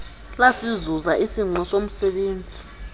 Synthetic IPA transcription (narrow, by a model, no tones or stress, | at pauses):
lasizuzaʔisiŋ͡ǃɛsom̩sɛɓeːnd͡zʱi